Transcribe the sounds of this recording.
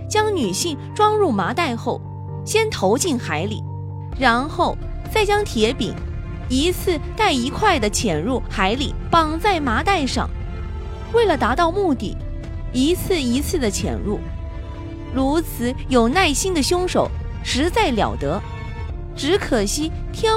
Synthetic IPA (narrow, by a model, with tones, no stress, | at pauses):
t͡ɕjɑ˥ŋny˨˩ɕi˥˩ŋʈ͡ʂwɑ˥ŋɻu˥˩ma˧˥t̪a˥˧ɪxo˥˩ʊ | ɕjɛ˥nt̪ʰo˧˥ʊt͡ɕi˥˩nxa˧˥ɪlḭ˨˩ | ɻa˧˥nxo˥˩ʊ | t͡sa˥˩ɪt͡ɕjɑ˥ŋt̪ʰjɛ˧˥pḭ˨˩˦ŋ | i˧˥t͡sʰɹ̩˥˧t̪a˥˩ɪi˧˥kʰwa˥˩ɪd̪ə˩t͡ɕʰjɛ˨˩nɻu˥˩xa˧˥ɪli˨˩pɑ˨˩ŋt͡sa˥˩ɪma˧˥t̪a˥˧ɪʂɑ̰˥˩ŋ | we˥˩ɪlə˩t̪a˧˥t̪ɑ˥˧ʊmu˥˧t̪ḭ˥˩ | i˧˥t͡sʰɹ̩˥˩i˧˥t͡sʰɹ̩˥˩d̪ə˩t͡ɕʰjɛ̰˨˩nɻu˥˩ | ɻu˧˥t͡sʰɹ̩˧˩jo˨˩ʊna˥˩ɪɕi˥nd̪ə˨ɕjʊ˥ŋʂo˨˩˦ʊʂɻ̩˧˥t͡sa˥˩ɪljɑ̰˨˩ʊt̪ɤ˧˥ | ʈ͡ʂɻ̩˧˥kʰɤ˨˩ɕi˥ | t̪ʰjɛ˥